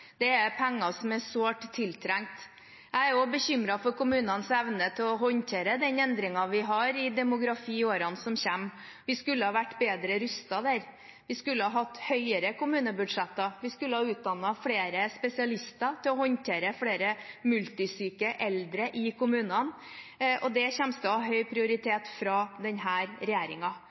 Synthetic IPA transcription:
d̪̥ɛæɾpʰæŋːɑsɔmæsoːʈt̪ʰːɪlt̪ʰɾæŋt̪ | jæɪæɾjobəçʏmɾɑfɔɾkʊmʉːnənsɛʋnət̪ʰɪlɔɦɔnt̪ʰeːɾəd̪ɛnɛnd̪ɾɪŋɑʋɪɦɑɾɪd̪ɛmʊɡɾɑfiːoːɾɑnsɔmçɛmː | ʋɪskʉlːəhɑːʋæʈːbeːd̪ɾəɾʉst̪ɑd̪æːɾ | ʋɪskʉlːəhɑɦɑt̪ːhœʏəɾəkʊmʉːnəbʉɖʂɛt̪ːəʋɪskʉlːəhɑʉːt̪̚d̪ɑnːɑfɽeːɾəspɛsɪɑlɪst̪ət̪ʰɪlɔhɔnt̪ʰeːɾəfɽeːɾəmʉlt̪ɪsyːkəʔɛld̪ɾəʔɪkʰʊmʉːnɑn | ʔɔd̪ɛçɛmst̪əhɑɦœʏpʰɾɪʊɾɪt̪ʰeːt̪fɾɑd̪ɛnɦæːɾɾɛjeːɾɪŋɑ

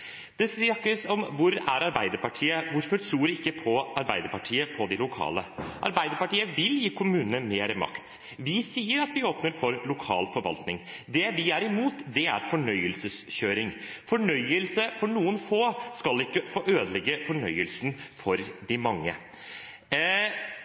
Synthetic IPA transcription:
d̪̥ɛsɑkːəsɔmʋʊɾæ̰ɾɑɾbæɪd̪əɾpɑʈʰiːəʋʊɾfɔɾt̪ʰɾuːɾɪkːəpʰɔɑɾbæɪd̪əɾpɑʈʰiːəpʰɔd̪ɪlʊkʰɑ̰ːləʔɑ̰ɾbæɪd̪əɾpɑʈiːəʋɪljiːkʰʊmʉːnənəmeːɾɪmɑ̰kt̪ | ʋɪsiːəɾɑt̪ʋɪoːpnəɾfɔɾlʊkʰɑ̰ːlfɔɾʋɑ̰lt̪nɪŋd̪ɛʋɪæɾɪmuːt̪d̪ɛæ̰ɾfɔɳœʏəlsəsçøːɾɪŋfɔɳœʏəlsəfɔɳuːənfoːskɑlɪkːəfoːʔøːd̪əlɛɡːəfɔɳœʏəlsn̩fɔɾd̪ɪmɑŋːə̰

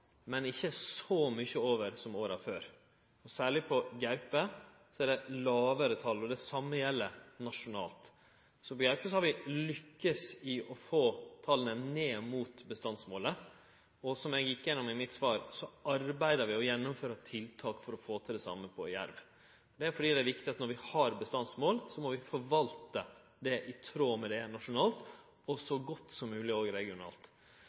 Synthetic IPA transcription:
mɛnɪçːəsɔmʏçəoːʋəɾsɔmoːɾɑʋføːɾ | ɔsæːɭɪpʰɔɡæʉpə | sɔæɖɛlɑːʋəɾət̪ʰɑlːɔd̪ɛsɑmːəjɛlːənɑʂʊnɑːlt̪ | sɔpɔɡæʉpəsɔhɑɾʋɪlʏkːəsɪʔɔfoːt̪ʰɑlənəneːmuːt̪bəst̪ɑnsmoːlə | ɔsɔmɛɡjɪkːjɛnːʊmɪmɪt̪sʋɑːɾsɔɑɾbæɪd̪əɾʋɪɔjɛnːʊmføːɾɑt̪ʰɪlt̪ʰɑːkfɔɾɔfoːt̪ʰɛd̪ɛsɑ̰mːəpʰɔjæ̰ɾʋ | d̪ɛæɾfɔɖiːd̪ɛæɾʋɪkt̪ɪɑt̪nɔɾʋɪhɑɾbəst̪ɑnsmoːlsɔmɔʋɪfɔɾʋɑlt̪ə | d̪ɛʔɪt̪ʰɾoːmɛd̪ɛnɑʂʊnɑːlt̪ | ɔsɔɡɔt̪ːsɔmːʉːlɪoːɡɪɾɛɡɪʊnɑ̰ːlt̪

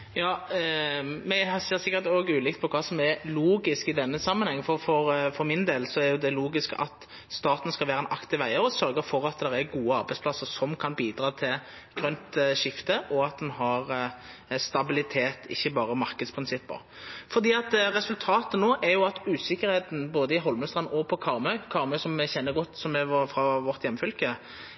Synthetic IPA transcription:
jɑː | mɛhɑseːɾsɪkːəɾt̪oːɡʉːlɪkt̪pʰɔkʰɑːsɔmɛɾluːɡɪskɪd̪ɛnːəsɑmːənhɛŋːfɔɾfɔʁfɔɾmɪnd̪eːlsɔæɾjʊd̪ɛloːɡɪskəɑ̰t̪ | st̪ɑːt̪nskɑlʋæːʁəɛnʔɑkt̪ɪʋæɪəɾɔsœɾɡəɾfɔɾɑt̪̚d̪ɛɾæɾɡuːəɑɾbæɪspʰlɑsːəɾsɔmkʰɑnbiːd̪ɾɑːt̪ʰɪl | ɡ̥ʁœnt̪ʂɪft̪əʔɔɑt̪̚d̪ɛnɦɑʁ | st̪ɑbɪlɪt̪ʰeːt̪ɪ̰çːəbɑːʁəmɑɾkəd̪spʰʁɪnsɪpːə̰ʁ | fɔʁd̪iːɑt̪ɾɛsʉlt̪ʰɑːt̪ənoːʔɛɾjʊɑt̪ʉːsɪkːəɾheːt̪n̩boːd̪əɪɦɔlmʉst̪ʁɑnɔpʰɔkʰɑʁmœʏkʰɑʁmœʏsɔmɛçɛnːəɾɡɔt̪ːsɔmɛfʁɑʋɔʁt̪jɛmːəfœlkə

